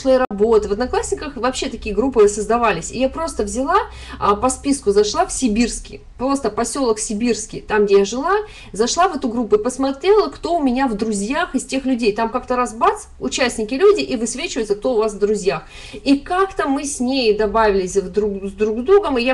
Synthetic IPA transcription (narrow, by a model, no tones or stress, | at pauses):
lˠoɾɐbo̞t̪ɨvəd̪nɐklˠasʲnʲɪkəxvɐpɕːe̞t̪ɐkʲijəɡɾupːɨsəzd̪ɐvalʲɪsʲɪjapɾo̞st̪əvzʲɪlˠa | əpɐspʲiskʊzɐʂlˠafsʲɪbʲirskʲɪ̰ | pɾo̞st̪əpɐsʲo̞lˠəksʲɪbʲirskʲɪ̰jt̪amɡdʲejaʐɨlˠa | zɐʂlˠavɛt̪ʊɡɾupːʊɪpəsmɐt̪ɾʲe̞lˠəkt̪o̞ʊmʲɪnʲavd̪ɾʊzʲjaxɪsʲtʲe̞xlʲʉdʲejt̪amkak̚t̪əɾazbat̪sʊt͡ɕæsʲtʲnʲɪkʲɪlʲudʲɪʔivɨsvʲet͡ɕɪvəɪt̪sək̚t̪o̞ʊvasvd̪ɾʊzʲjax | ikakt̪əmɨsʲnʲejd̪ɐbavʲɪlʲɪsʲd̪ɾuzd̪ɾuɡzd̪ɾuɡəmɨja